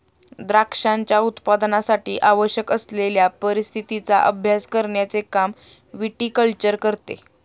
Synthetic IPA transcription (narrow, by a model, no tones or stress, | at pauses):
d̪ɾakʂaɲt͡ɕjaut̪pad̪nasaʈiːʔaʋəɕjəkəsleljapəɾist̪ʰit̪it͡sa̰ʔəbʱjaskəɾɳjat͡sekam | ʋiʈiːkəlt͡ɕəɾkəɾt̪ḛ